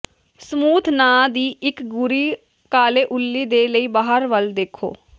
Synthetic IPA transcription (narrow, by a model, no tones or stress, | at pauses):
səmuːt̪ʰnaːd̪iːɪkɡʊɾiː | kaːleːʔʊlːiːd̪eːləiːbaːɦəɾʋəld̪eːkʰo̰ː